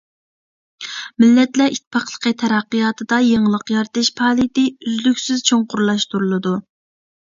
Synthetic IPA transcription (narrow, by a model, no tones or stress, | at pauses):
mɪlːɛt̪lɛʔit̪̚ʰːpʰɑχlˠə̥qʰət̪ʰɛɾɑqːijɑːt̪ʰɨd̪ɑjeŋlˠəqjɑɾt̪ɨʃpʰɑːlˠit̪ɪyzlykʲsɪzt͡ʃʰoŋqʊɾlˠɑʃt̪uɾulˠɨd̪u